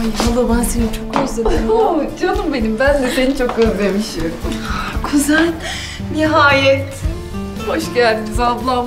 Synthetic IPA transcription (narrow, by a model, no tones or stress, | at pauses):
ajalˠobænsenit͡ʃʰo̞kːozed̪eod̪ijod̪umbe̞nimbænzed̪enit͡ʃʰo̞k̚ːøzlʲemiʃi | kʰyzælʲ | niɦaːjɛt̪ | ho̞ʃɟæɾʲpʰizab̪lˠam